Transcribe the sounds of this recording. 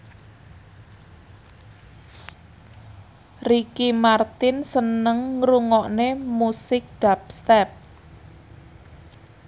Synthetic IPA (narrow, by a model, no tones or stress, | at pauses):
rikimart̪ɪnsənəŋːɾuŋɔʔnemusɪk̚d̥ap̚st̪ɛp̚